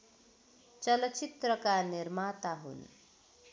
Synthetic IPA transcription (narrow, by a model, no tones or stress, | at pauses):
t͡sʌlʌt͡sit̪rʌkanirmat̪aɦṵn